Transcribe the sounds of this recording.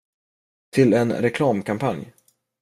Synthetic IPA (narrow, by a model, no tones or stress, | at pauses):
t̪ʰɪlɛnɾɛkʰlɑːmkʰampʰanj